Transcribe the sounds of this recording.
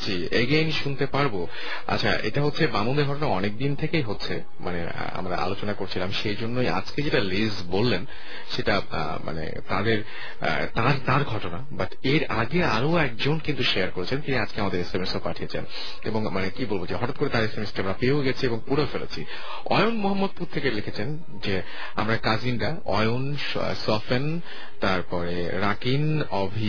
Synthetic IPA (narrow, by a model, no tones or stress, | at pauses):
d͡ʑi | eɡenʃunt̪epaɾbo | a̰tːɕʰaʔḛʈaɦotːɕʰebamond̪eɾɡʱɔʈ̬onaɔnek̚d̪int̪ʰekejɦotːɕʰe | mʔa̰nḛ | a̰mɾa̰a̰lot͡ɕonakoɾt͡ɕʰilamiʃejd͡ʑonːoja̰d͡ʑked͡ʑeʈalizbolːen | ʃeʈa̰ | ma̰nḛt̪ad̪eɾ̰ | t̪aɾt̪aɾɡʱɔʈonabaʈ | eɾaɡeaɾoɛk̚d͡ʑonkint̪uʃeaɾkoɾet͡ɕʰent̪iniad͡ʑkeamad̪eɾesemesopaʈʰiet͡ɕʰḛn | ḛboŋmanekibolbod͡ʑeɦɔʈat̪̚koɾet̪aɾesemesʈiamɾapeoɡɛt͡ɕʰieboŋpuɾefelḛt͡ɕʰi | ɔ̰jonmoɦamːod̪̚puɾt̪ʰːekelikʰet͡ɕʰen | d͡ʑe | a̰mɾakad͡ʑinɖa | ɔ̰jon | sɔfen | t̪aɾpɔɾe | ɾakin | ɔbʱi